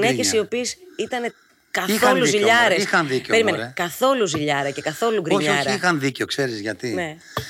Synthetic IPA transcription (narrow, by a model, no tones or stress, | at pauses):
nece̞sio̞piesit̪ɐne̞ | kɐiθo̞luziʎɐɾesixɐnðicpe̞ɾime̞nekɐθo̞luziʎɐɾɐce̞kɐθo̞luɡɾioɲoɾixɐnðiceokse̞ɾizʝɐt̪ine̞